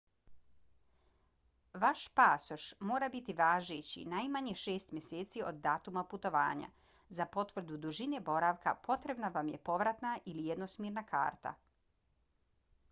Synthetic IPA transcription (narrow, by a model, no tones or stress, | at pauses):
ʋaʃpaːsoʃmo̞ːɾabit̪iʋaːʒet͡ɕḭnajmaɲeʃe̞ːst̪mjeseːt̪siod̪ːaːt̪umaput̪o̞ʋa̰ːɲa̰ | zapo̞t̪ʋr̩d̪ud̪uʒinebo̞ɾaʋka̰pʰo̞t̪ɾe̞bnaʋamje̞po̞ʋɾat̪naʔilijed̪nosmeːɾnakʰa̰ːɾt̪a̰